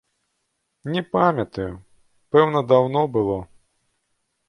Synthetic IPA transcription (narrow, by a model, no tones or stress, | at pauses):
nʲɛpamʲɐt̪ɐju | pɛwnɐd̪awnɔbɨlˠɔ